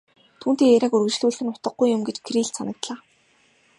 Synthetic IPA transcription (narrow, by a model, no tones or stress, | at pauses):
t̪ʰuːnt̪eːŋeɾʲaːkɵrɣɘ̆t͡ɕɮuːɮxɘ̆nʊt̪ə̆q̚ːujːʊmɡet͡ɕkʰriɮsanə̆k̚t̪ɮaː